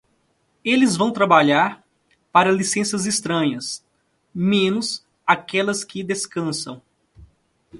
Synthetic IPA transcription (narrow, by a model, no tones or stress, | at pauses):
elɪzvɐ̃w̃t̪ɾabaʎaɾ | paɾɐlisẽsɐzist̪ɾɐ̃ɲɐs | mẽnʊz | akɛlɐskɪd̪eskɐ̃sɐ̰̃w̃